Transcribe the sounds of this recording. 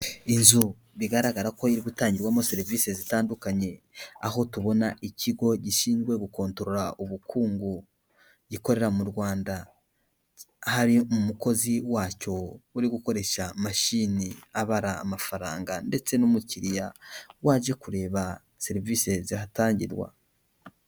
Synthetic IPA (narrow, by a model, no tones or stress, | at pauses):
inzu | βiɡaɾaɡaɾako̞iɾiɡutaːɲɟiɾɡwaːmo̞se̞ɾiviːse̞zitaːndukaɲe̞ | aho̞tuβo̞naʔiciɡo̞ɟiʃiːnzɡwe̞ɡuko̞ːntoɾo̞ɾauβukʰuːŋɡu | ɟiko̞ɾe̞ɾamuɾwaːnda | haɾimumuko̞ziwaːco̞uɾiɡuko̞ɾe̞ʃamaʃiːniaβaɾa̰ːmafaɾa̰ːŋɡande̞t͡se̞numuciɾijawaːʒe̞kuɾe̞ːβa | se̞ɾiviːse̞zihataːɲɟiɾɡwa̰